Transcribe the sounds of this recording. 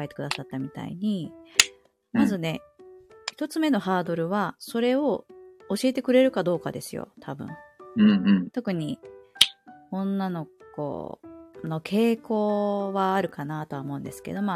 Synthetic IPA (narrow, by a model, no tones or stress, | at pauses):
e̞t̪e̞kd̪asat̪ːamʲit̪a̰ḭɲ̟i | mazɨne̞ | çi̥t̪o̞t͡sɨme̞no̞ɦaːd̪o̞ɾɯ̟βaso̞ɾe̞o̞ː | ɕie̞t̪e̞kɯ̟ɾe̞ɾɯ̟kad̪o̞ːkad̪e̞sɨjo̰t̪ʰabɯ̟̰̃ɴɯ̃ɴt̪o̞kɯ̟ɲ̟i | õ̞nːano̞kko̰no̞kʰe̞ːko̞ːβaːɾɯ̟kanat̪oaomo̞̟nd̪e̞sɨ̥ke̞̰d̪o̞ma